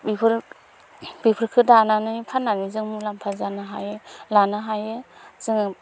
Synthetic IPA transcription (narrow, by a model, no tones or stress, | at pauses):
bipʰɯɾ | b̥ipʰɯɾkʰɯdananɯjpʰanːanizɯŋmulampʰazanɯɦa̰jɯlanɯɦajɯz̥ɯŋ